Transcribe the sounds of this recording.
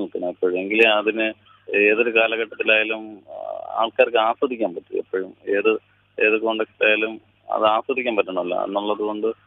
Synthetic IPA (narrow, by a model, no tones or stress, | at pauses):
ɭkːɐnɐipːoːɻume̞ŋɡilɐðinɨ | e̞ːðo̞ɾukaːlɐɣɐʈːɐt̪ːilaːjaluma̰ːɭkaːɾkːɨaːsʋɐd̪ʱikʲːaːmpɐtːiɐ̰pːoːɻume̞ːðɨ | e̞ːðɨko̞ɳɖekːi̥ʈːaːjalum | ɐ̰ðɨaːswɐd̪ikʲːaːmpɐtːɐɳɐmilːɐ̰ɐ̰nːuɭːɐðuɣo̞ɳɖɨ